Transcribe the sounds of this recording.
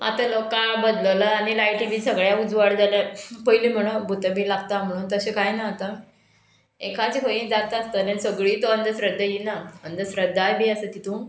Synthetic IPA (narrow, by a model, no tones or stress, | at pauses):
a̰t̪alokabəd̪ləlaːɽilajʈiʋiːsəɡɭjaud͡zʋaɽd͡zalapəjiliːm̤əɽ̃əbʱut̪əmiːlaɡt̪am̤əɽ̃uːnt̪əɕekajnaːt̪a | ekʰad͡ziɦoĩnd͡zat̪əst̪əːnansəɡɭiːt̪oənd̪ʱəsɾəd̪ʱːəjinaənd̪ʱəsɾəd̪ʱːajbiəsət̪it̪ʰũ